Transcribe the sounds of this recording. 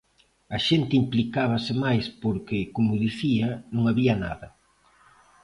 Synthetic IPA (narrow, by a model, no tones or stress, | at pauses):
ɐʃent̪ɪimplikaβ̞ɐsɪmajspoɾkɪkomʊðiθiɐnõŋaβiɐna̰ðɐ